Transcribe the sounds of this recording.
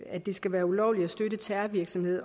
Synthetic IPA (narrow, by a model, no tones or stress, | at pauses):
æd̥e̝sɡ̥æʋæːɐulɒʊ̰li̥æsd̥øɾət͡sʰæɐʋiɐɡ̥sɒ̽mhe̝ð̞̰ˠ